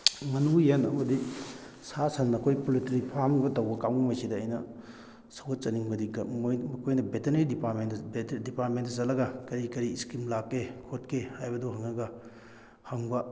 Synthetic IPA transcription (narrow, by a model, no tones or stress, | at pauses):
mɐnujenɐ̰mɐdi | sasɐnːɐkʰojpolitɾipʰamɡɐtɐwbɐkawnimɐjsidɐːjnɐ | sɐwɡɐt̚t͡ʃɐniŋbɐdiɡɐmjmɐkʰojnɐbeteɾneɾidipaɾmenbdipaɾt̚mentɐzɐlɐɡɐkɐɾikɐɾiskimlakːekʰotkʰehajbɐduɦɐŋɐɡɐ | hɐŋbɐ